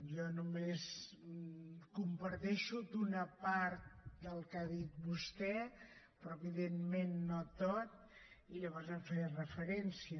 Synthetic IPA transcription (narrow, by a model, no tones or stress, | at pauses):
jɔnumes | kumpəɾt̪ɛʃud̪unəpaɾt̪̚d̪əlˠkaðit̪̚bust̪ɛ | pɾɔəβiðenmenːot̪ot̪̚ | iʎəβɔɾzəɱfɛjrəfəɾɛnsiə